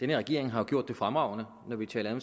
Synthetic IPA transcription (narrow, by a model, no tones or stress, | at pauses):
d̥enəʁɛɡ̥e̝̰ɐ̰e̝ŋɦɑ̈joɡ̥o̰d̥ːe̝fʁamʁɑ̈ʊnə | nɒʋit͡sʰɛ̰ːlɐɒm